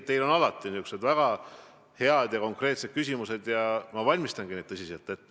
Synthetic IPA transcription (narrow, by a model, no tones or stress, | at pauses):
t̪ːe̞jlo̞nɑlɑt̪ːˑinykse̞d̪væɡ̥ɑ | he̞ɑd̪̥jɑko̞ŋkˑre̞ːt̪se̞d̥̪̚kysʲimuse̞d̪jɑmɑvɑlʲmist̪ɑnɡ̥ined̪̚ɤsiset̪ːˑet̪ːe